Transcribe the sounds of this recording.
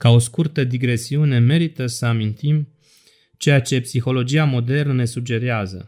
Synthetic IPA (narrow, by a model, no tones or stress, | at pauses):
kao̞skurt̪əd̪iɡɾe̞siune̞me̞ɾit̪əsəamint̪im | t͡ʃe̞jat͡ʃe̞psixo̞lo̞d͡ʒiamo̞d̪e̞rnəne̞sud͡ʒe̞ɾeazə̰